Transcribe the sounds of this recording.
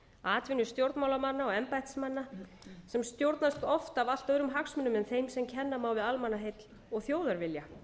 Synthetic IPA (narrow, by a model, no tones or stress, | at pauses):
aːt̪vɪnʏst̪jowɾt̪mawlamanːaɔɣɛmpajht̪smanːa | sɛmst̪jowɾt̪nast̪ɔft̪aval̥t̪œɣɾʏmɦaksmʏnːʏmɛnθejnsɛmcʰɛnːamaːwvɪðalmanaɦejt̪l | ɔɣθjoːwðaɾvɪlja